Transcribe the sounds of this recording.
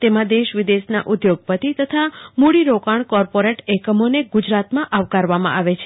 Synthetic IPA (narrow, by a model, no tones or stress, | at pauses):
t̪emãd̪eʃʋid̪esna̰ʔud̪joɡ̚pət̪it̪ət̪ʰamuɽiɾokaɳ̃kɔɾpoɾeʈɛkəmoneɡud͡ʒɾat̪mãʔaʋkaɾʋamã̰ʔaʋet͡ʃʰe